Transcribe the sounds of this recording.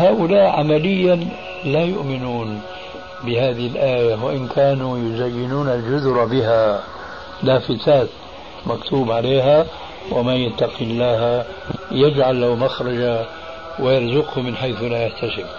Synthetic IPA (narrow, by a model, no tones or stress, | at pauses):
haːʔʊlaːʔʕamalɪjːan | lajʊʔmɪnuːn | bɪhaːðɪhɪlʔaːjawaʔɪnkʰaːnujʊzajːɪnuːnald͡ʒʊðɾˤɑbɪɦa | laːfɪtaːt̪ | makt̪ʰuːbʕaleːɦa | wɪmajat̪ːɑqɪnlaɦa | jad͡ʒʕalːawmaxɾˤɑd͡ʒa | wɪjɑɾˤzʊqhʊmɪnħajθlajaħt̪asɪb